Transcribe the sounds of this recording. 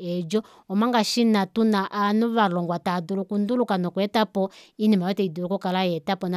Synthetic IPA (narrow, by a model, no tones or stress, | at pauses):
ɛd͡ʒɔ | ɔmaŋɡaʃinatunaʔanɔβalɔŋɡwatadulukundulukanɔkuɛtapɔinimaɔtɛidulukɔkalajɛtapɔna